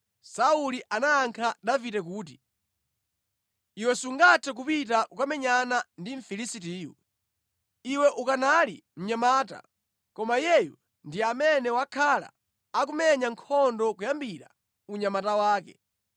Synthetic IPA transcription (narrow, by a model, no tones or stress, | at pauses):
sauliʔanaːŋkʰadavitɛk̬uːt̬i̥ | iwɛsuŋɡatʰɛk̬upit̬akukamɛɲanandiɱ̩filisit̬iːjṵ | iwɛʔukanalḭm̩ɲamaːta̰ | kɔmajɛju | ndiamɛnɛwakʰala̰ | akumɛɲaŋkʰɔndɔkujambiɾa̰ | uɲamatawaːkɛ̰